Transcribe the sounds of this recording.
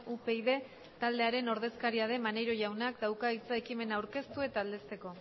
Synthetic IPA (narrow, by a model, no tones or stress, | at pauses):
upe̞iðe̞ | t̪ald̪e̞aɾe̞no̞ɾðe̞skaɾiað̞e̞mane̞ɾo̞ʝawnakd̪awkait͡saekime̞naːwɾke̞st̪ue̞t̪aːld̪e̞st̪e̞ko̞